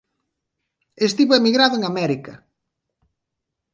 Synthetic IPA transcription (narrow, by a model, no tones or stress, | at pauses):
est̪iβoemiɣɾaðʊeŋamɛɾikɐ̰